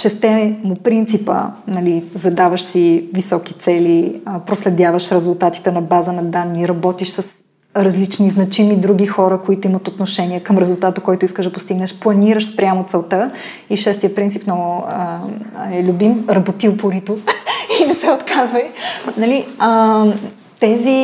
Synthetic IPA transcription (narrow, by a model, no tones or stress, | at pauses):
ʃɛst̪ɛmʊpɾint̪sipə̰nɐlizɐd̪avəʃsivisɔki̥t̪sɛliəpɾoslɛd̪ʲjavəʃɾɛzʊlˠt̪at̪i̥t̪ɛnɐbazənɐd̪anːiɾɐbɔt̪iʃsəs | ɾɐzlit͡ʃniznɐt͡ʃimid̪ɾuɡʲixɔɾəkoit̪oimət̪ot̪noʃɛniɛkəmɾɛzʊlˠt̪at̪əkɔjt̪ʊiskəʒd̪ɐpost̪iɡnəʃplˠɐniɾəʃspɾʲamot̪sɛlˠt̪ə | iʃɛst̪iət̪pɾint̪sipnɔɡʊəɛlʲubimɾɐbot̪iopoɾit̪oinɛsɛot̪kazvəjnɐliə | t̪ɛzi